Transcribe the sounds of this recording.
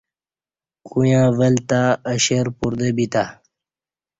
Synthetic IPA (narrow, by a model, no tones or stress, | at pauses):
kujãːvəlt̪aəɕeɾpuɾd̪ebit̪a